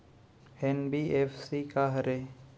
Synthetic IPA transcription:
eːnbiːʔeːfsiːkaɦəɾe

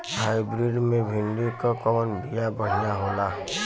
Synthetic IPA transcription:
ɦaːibɾiɖmẽbʱɪnd̪ikakɔmənbijabəɽ̤ijaɦoːla

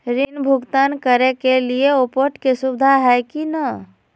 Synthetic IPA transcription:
ɾinbʱʊɡt̪ankəɾekelieopoʈkesubd̪ʱaɦɛkinə

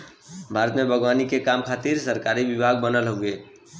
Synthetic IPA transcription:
bʱaɾət̪mebʱəɡʋanikekamkʰat̪iɾsəɾkaɾiʋibʱaɡ̚bənəlɦoɡe

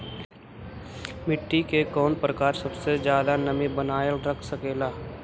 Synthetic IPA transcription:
mɪʈːikekɔːnpɾəkaːɾsɐbsed͡ʒjaːd̪anəmĩbənaːjəlɾəkʰsəkeːlaː

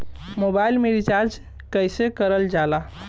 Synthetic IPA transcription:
mobailmeɾit͡ʃaɾd͡ʒ | kəjsekəɾəld͡ʒala

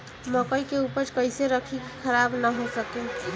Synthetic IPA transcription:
məkəjkeupəɾkəjseɾəkʰikkʰəɾabnəɦosəkẽ

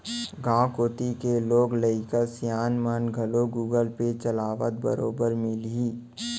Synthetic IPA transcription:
ɡãːkoːʈikeloːɡləɪkəsjaːnmənɡʱəloɡuːɡəlpet͡ʃəlaːʋə̰t̪̚bə̰ɾoːbəɾmɪliː

